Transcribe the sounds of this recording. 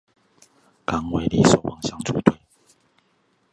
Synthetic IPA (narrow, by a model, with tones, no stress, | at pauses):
ka˨˥ŋwe˧˥ɪli˨˩so˨˩ʊwʔɑ˨˩ŋɕjɑ˥ŋʈ͡ʂʰṵ˧˥t̪ʰwe˥˩ɪ